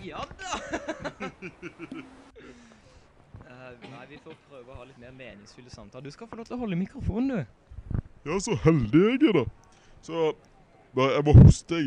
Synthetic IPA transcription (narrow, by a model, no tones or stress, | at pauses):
jɑ | næɪʋɪfoːɾpʰɾøːʋəɔhɑːlɪt̪meːʁmeːnɪŋsfʏld̪əsɑmt̪ʰɑːləd̪ʉskɑlfɔɾloːft̪lɔɦɔlːəmɪkɾʊfuːnnuː | jɑːsɔhɛld̪ɪɛɡɛd̪ɛ | sɔ | bɑæmɔhʊst̪ɛ